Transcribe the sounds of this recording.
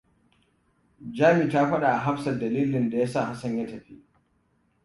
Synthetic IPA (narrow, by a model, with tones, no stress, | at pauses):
d͡ʒaː˦mi˨taː˦ɸɐ˦ɗa˨ʔa˨ɦa˦ɸsɐ˨dɐ˨liː˦lɪ˨nda˨jaː˦sa˦˨ha˦sɐ˦ɲja˦tɐ˨ɸi˦ʔ